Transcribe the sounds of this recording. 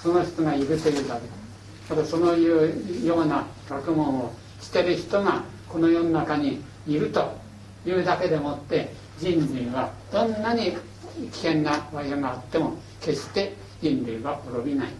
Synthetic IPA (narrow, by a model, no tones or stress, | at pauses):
so̞no̞çi̥t̪oŋaiɾɯ̟t̪o̞jɯ̟ːd̪aked̪e | at̪aso̞nojjo̞ːnakʲakɯ̟mõ̞ɰ̃o | ɕi̥t̪e̞ɾɯ̟çi̥t̪o̞ŋa | ko̞no̞jo̞ːnonakaɲ̟iː | ɾɯ̟t̪o̞ | jɯːd̪ake̞d̪e̞mot̪ːe̞ | d͡ʑĩnɾiβad̪̥õ̞nːaɲ̟i | kʲi̥hẽ̞nːaβaiaɡaːt̪ːe̞mo̞ | ke̞ɕt̪e̞ | d͡ʑĩnɾɯːɡaʔoɾo̞bʲinai